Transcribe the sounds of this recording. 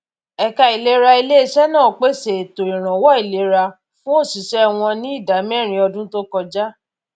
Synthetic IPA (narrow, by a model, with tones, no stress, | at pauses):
ɛ˨ka˧i˨le˦ɾa˧i˧le˦i˦ʃɛ˦nãː˦˨k͡pe˦se˨to˨ĩ˨ɾ̃ã˨wɔ˦i˦˨le˨˦ɾa˧ | fũ˦o˦˨si˨ʃɛ˦w̃ɔ̃˧nĩ˦i˦˨da˨˦mɛ̃˦˨ɾ̃ĩ˧˦ɔ˧dũ˦to˦kɔ˧d͡ʒa˦